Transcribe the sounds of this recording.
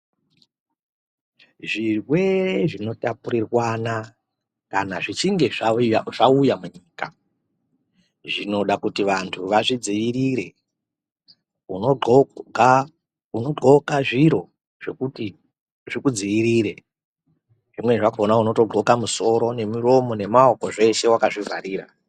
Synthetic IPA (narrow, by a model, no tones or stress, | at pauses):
ʐirwe̞reʐino̞tapuɾirwana | kanaʐit͡ʃiŋɡe̞ʐaujamuɲiːka̰ | ʐino̞ɗakutiʋantʰuʋaʐid͡ziʋiɾiɾe̞ | unooɡa | uno̞ɡ͡ǃo̞kaʐiɾo̞ | ʐ̥ekuti | ʐikud͡ziʋiɾiɾe | ʐimwe̞ʐakaonauno̞to̞ɡ͡ǃo̞kamuso̞ɾo̞ne̞miɾo̞mo̞ne̞mao̞ko̞ʐe̞ʃe̞wakaʐivʱa̰ɾiːɾa̰